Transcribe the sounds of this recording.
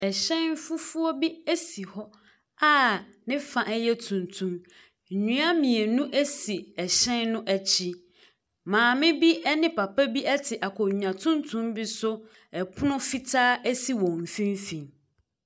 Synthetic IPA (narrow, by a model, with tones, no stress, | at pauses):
ɛ˨ɕɛ̃˦n˦fʊ˦fʊ˦ɔ˦bi˦æ˦si˨hɔ˦ | a˦nɪ̃˦fã˨ʔɛ˦jɛ˦tʰũ˨ntʰũ˦m | ɲ̩˨ɲũ˦a˦mĩ˨e˨nũ˦ʔɛ˦si˨ɛ˨ɕɛ̃˦nːʊ̃˦ʔæ˨t͡ɕʰi˦ | mãː˨mɪ̃˦bi˦ɛ˦nɪ̃˦pa˨pa˦bi˦ʔɛ˦tʰɪ˨ʔa˨kʰɔ˨ɲ˨ã˨tʰũ˦ntʰũ˦mbi˦sʊ˦ | ɛ˨pʰʊ˦nʊ̃˦fi˦tʰaː˦ɛ˦si˨wɔ̃˨m˨fĩ˦m˦fĩ˨n